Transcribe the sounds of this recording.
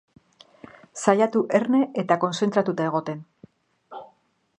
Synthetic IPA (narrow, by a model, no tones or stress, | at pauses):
sajat̪uʔe̞rne̞ʔet̪ako̞nse̞nt̪ɾat̪ut̪ae̞ɣ̞o̞t̪e̞n